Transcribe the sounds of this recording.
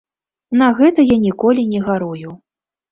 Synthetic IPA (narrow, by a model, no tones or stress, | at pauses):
nɐɣɛt̪ɐjanʲikɔlʲinʲɛɣaɾuju